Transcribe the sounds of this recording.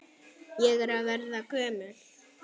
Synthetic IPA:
jɛɣɛɾavɛɾðakœːmʏl̥

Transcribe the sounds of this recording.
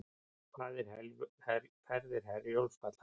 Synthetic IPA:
kaːðɛɾ̥hɛlhɛɾfɛɾðɪɾ̥ɦɛɾjolspat̪l̥a

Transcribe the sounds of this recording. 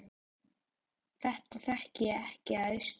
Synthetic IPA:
θɛht̪aθɛhcɪɛhcɪaʏs

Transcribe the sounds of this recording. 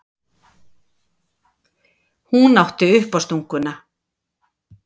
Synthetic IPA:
hunawht̪ɪʏhpast̪uŋkʏna

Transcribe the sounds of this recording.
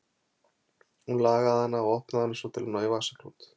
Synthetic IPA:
hunlaːɣaðhanːaɔɣɔhpnaðhanːʏsvɔt̪ʰɪlnɔːjvasakɾṵt̪

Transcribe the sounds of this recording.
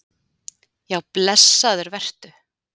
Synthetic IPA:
jawplɛsːaðʏɾvɛr̥t̪ʏ

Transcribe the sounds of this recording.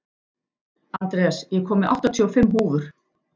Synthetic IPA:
ant̪ɾɛasjɛkʰɔːmɪʔa̰wht̪at̪ʰʏɔfɪmːɦuːvʏɾ̥

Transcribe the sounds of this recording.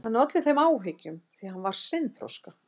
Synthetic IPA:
hanːɾœt̪lɪθejmaːwɦeːcʏmθiahanvaɾ̥sɪnθɾɔ̰ska

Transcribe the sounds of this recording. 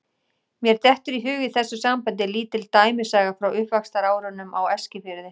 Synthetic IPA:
mjɛɾt̪ɛht̪ʏɾiɦʏːɣɪθɛsːʏsampant̪̬ɪliːt̪ɪlt̪aːjmɪsaːɣafɾawʔʏhpvakst̪aɾaːwɾʏnːʏmawɛscɪfɪɾðɪ

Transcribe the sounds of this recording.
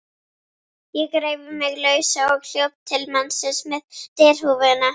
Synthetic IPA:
jɛkɾeːjvʏmɪɣlœːɥsaɔɣl̥jowpt̪ʰɪlmansɪsmɛðt̪ɛːɾ̥huːvʏðɪna

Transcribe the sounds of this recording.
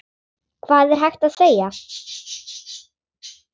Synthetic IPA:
kʰvaːðɛɾ̥ɦajxt̪aðseːja

